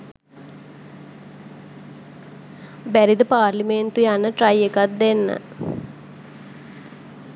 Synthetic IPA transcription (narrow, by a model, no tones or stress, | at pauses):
bæɾid̪əpaːrliment̪ujanːəʈrajekat̪̚d̪enːə̰